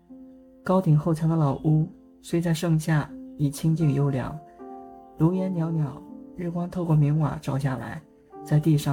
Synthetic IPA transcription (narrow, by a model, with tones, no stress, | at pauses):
kɑ˥ʊt̪i˨˩ŋxo˥˩ʊt͡ɕʰjɑ˧˥ŋd̪ə˧lɑ˨˩ʊʔu˥ | swe˥ɪt͡sa˥˧ɪʂɤ˥˧ŋɕja˥˩i˨˩t͡ɕʰi˥ŋt͡ɕi˥˩ŋjo˥ʊljɑ̰˧˥˦ŋ | lo˧˥ʊjɛ˧˥nnjɑ˧˥ʊnjɑ˨˩˦ʊɻɻ̩˥˩kwɑ˥ŋt̪ʰo˥˧ʊkwɔ˥˩mi˧˥ŋwa̰˨˩ʈ͡ʂɑ˨˩ʊɕja˥˩la̰˧˥ɪ | t͡sa˥˧ɪt̪i˥˧ʂɑ˥˩